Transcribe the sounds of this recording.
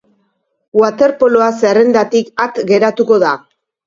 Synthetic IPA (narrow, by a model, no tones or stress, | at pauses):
wat̪e̞ɾpo̞loaserend̪at̪ikat̪ɡe̞ɾat̪uko̞ða